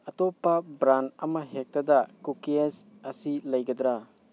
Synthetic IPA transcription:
ɐtɔpːɐbɾanɐmɐɦek̚tɐdɐkukies | ɐsilɐjɡɐd̪ɾa

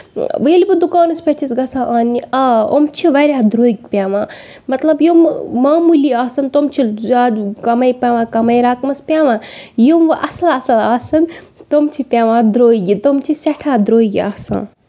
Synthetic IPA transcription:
ʋɐilbɨd̪ukaːnɐspʲɐt͡ʃʰisɡɐsʰãʔaːniɐo̰mt͡ʃʰiʋɐɾʲaːd̪ɾoːiɡpʲaːʋãː | mɐt̪lɐbjomːaːmuliaːsɐnt̪omt͡ʃʰilaːd̪kɐmɐjpʲaːʋãːkɐmɐjɾaːkmɐspʲjaːʋãːjomʔɐsɐlɐsɐlaːsɐnt̪omt͡ʃʰipʲaːʋãːd̪ɾoːiɡit̪omt͡ʃʰisɐʈʰaːd̪ɾoːiɡia̰ːsã̰ː

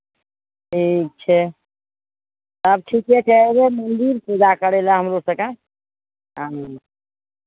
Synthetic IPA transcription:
ʈʰik̚t͡ʃʰɛ | t̪əb̚ʈʰikɦɛt͡ʃʰɛebemənd̪iɾped̪akəɾelaɦəmɾosə̃kã | ɦã

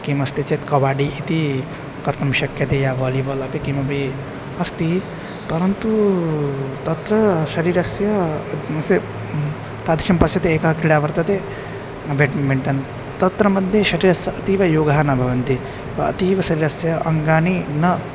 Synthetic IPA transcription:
kimɐst̪it͡ʃet̪kɐʋaːɖiʔit̪i | kɐɾt̪ɐmʃɐkjɐt̪eːjaːʋɐːliʋɐlɐpikimɐpi | ɐst̪i | pɐɾɐnt̪u | t̪ɐt̪ɾɐʃɐɾiːɾɐsjɐɐse | t̪aːd̪ʱikʃɐmpɐsjɐt̪eeːkɐɦɐkɾiɽaːʋɐɾt̪ɐt̪e | beʈmeɳʈɐn | t̪ɐt̪ɾɐmɐd̪ʱjeʃɐɾiːɾɐsjɐɐt̪iːʋɐjoːɡɐɦaːnɐbʱɐʋɐnt̪i | ʋɐɐ̰t̪iːʋɐʃɐɾiːɾɐsjɐʔɐŋɡaːninɐ

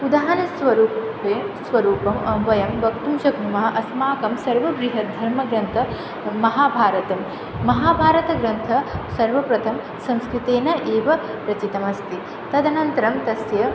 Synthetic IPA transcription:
ud̪aːɦɐnɐsʋɐɾuːp | eːsʋɐɾuːpɐmɐʋɐjɐmbɐkt̪umʃɐknumɐɦɐ̆ʔɐsmaːkɐmsɐɾʋɐɡɾiɦɐd̪ʱɐɾmɐɡɾɐnt̪ʰɐː | ɐɦaːbʱaːɾɐt̪ɐmː | ɐɦaːbʱaːɾɐt̪ɐɡɾɐnt̪ʰɐsɐɾʋɐpɾɐt̪ʰɐm | sɐmskɾit̪eːnɐʔeːʋɐ | ɾɐt͡ʃit̪ɐmɐst̪i | t̪ɐd̪ʱɐnɐnt̪ɐɾɐmt̪ɐsjɐ

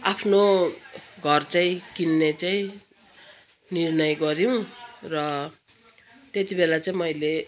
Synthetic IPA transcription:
apʰno | ɡʱʌrt͡saĩkinːet͡saĩ | nirnʌjɡʌɾjiw̃rʌ | t̪et̪ibelat͡saĩmʌjle

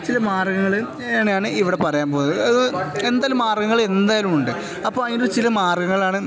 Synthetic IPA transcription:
t͡ɕilɐmaːrɡɐŋːɐɭɨ | eːɳejaːɳɨiʋiɽe̞pɐrɐjaːnpoːnɐðɨend̪aːlumːaːrɡɐŋːɐɭe̞nd̪aːjɐlumuɳɖɨ | ɐpːoːɐjndot͡ɕilɐmaːrɡɐŋːɐɭaːɳɨ

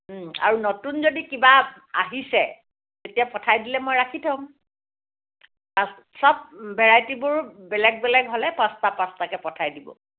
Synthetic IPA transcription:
a̰ɹunotunzodikiba | a̰ɦisɛ | tetijapɔtʰajdilɛmojɹakʰitʰaʊ̃m | ãs | sɔb̚bɛɹajtibuɹbɛlɛɡ̚bɛlɛɡɦɔlɛpãstapãstakɛpɔtʰajdibɔ̰

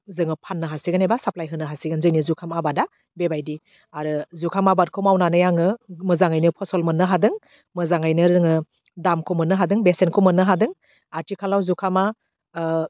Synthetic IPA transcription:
zɯŋɯpʰanːɯɦasiɡɯnebasaplajɦɯnːɯɦasiɡɯnzɯnizukʰamabada | bebajdi | aɾɯzukʰamabat̚kʰɯwmawnanɯjaŋɯmɯzaŋajnɯpʰɔsɔlmɯnːɯɦadɯŋ | mɯzaŋajnɯɾɯŋɯ | damkʰomɯnːɯɦadɯŋbesenkʰomɯnːɯɦadɯŋ | atikʰalawzukʰama

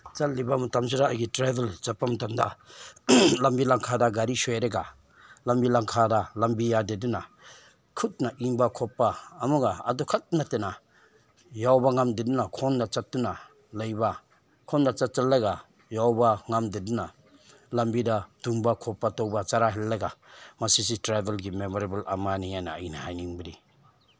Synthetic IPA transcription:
t͡ʃat̚libamatʰams̬uɾaːjɡitɾajbelt͡ʃapːamatʰamda̰ | lambilaŋkʰadaɡaɾisojɾeɡa | lambilaŋkʰadalambijadeduna | kʰut̚naʔiŋbakʰɔpːaːmuɡaa̰dɔkʰat̚natena | jawbaŋamdedunakʰɔnːat͡ʃat̚duna | lajba | kʰɔnːat͡ʃat̚t͡ʃallːaɡa | jawbaŋamdeduna | lambidaduŋbakʰɔpːatɔwbat͡ʃaɾaɦilːaɡamasis̬itɾajbelɡimemɔɾebalamanijajnaːjnahajniŋbaɾi

